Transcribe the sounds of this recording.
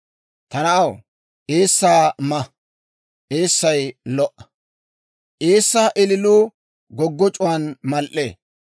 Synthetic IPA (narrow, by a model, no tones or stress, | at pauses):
t̪ɐnɐɐw | ʔeːsːaːmɐ | ʔeːsːɐjlɔʔɐ̥ | ʔeːsːaːʔɪlɪluː | ɡɔɡːɔt͡ʃʼʊwaːnmɐlʔḛː